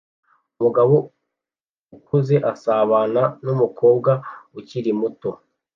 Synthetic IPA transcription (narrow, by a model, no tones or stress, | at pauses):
umuɡaβo̞ | ukuze̞ʔasaːβaːnanumukʰo̞ːbɡauciɾimuto̞